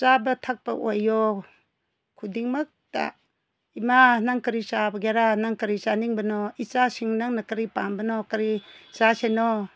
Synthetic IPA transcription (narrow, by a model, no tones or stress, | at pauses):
sabɐtʰak̚pɐ̰ʔojːɔ | kʰudiŋmɐk̚ta̰ | imanaŋkɐɾisabɐɡaɾanaŋkɐɾisaniŋbɐnɔit͡ʃasiŋnaŋnakɐɾipaŋbɐnɔkɐɾisasenɔ